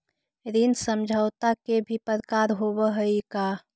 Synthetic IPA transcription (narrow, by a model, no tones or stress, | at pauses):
ɾinsəmd͡ʒʱəʊt̪akebʱipəɾkaɾɦobəɦəika